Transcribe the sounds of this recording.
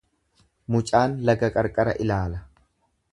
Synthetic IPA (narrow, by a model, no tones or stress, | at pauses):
mʊt͡ʃʼaːnlɐɡɐkʼɐɾkʼɐɾɐ̰ʔɪlaːlɐ